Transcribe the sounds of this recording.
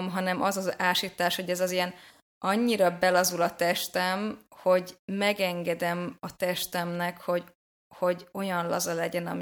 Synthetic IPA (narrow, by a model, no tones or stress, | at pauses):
mɦɒnɛmʔɒzɒzaːʃit̪ːaːʃho̞ɟɛzɒzijɛn | ɒɲːiɾɒbɛlɒzulɒt̪ɛʃt̪ɛmho̞ɟmɛɡɛŋɡɛd̪ɛmɒt̪ɛʃt̪ɛmnɛkho̞ɟ | ho̞ɟo̞jɒnlɒzɒlɛɟɛnɒ̰mi